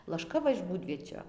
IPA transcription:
lˠɐʃˈkɐ ˈʋɐ ɪʃ ˈbuːdʲʋʲiɛt͡ʃʲoː

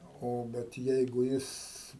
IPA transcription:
ˈoː ˈbʲɛt ˈjɛɪɡʊ ˈjɪs

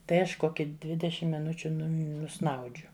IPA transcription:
ˈtɐɪ ˈɐʃ ˈkoːkʲɪ ˈdʲʋʲɪdʲɛʃʲɪm mʲɪˈnʊt͡ʃʲʊ ˈnʊm nʊˈsnɐʊd͡ʒʲʊ

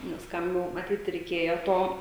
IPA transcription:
nʲɛs ˈkɐm jɛʊ mɐˈtʲiːt rʲɛɪˈkʲeːjoː ˈtoː

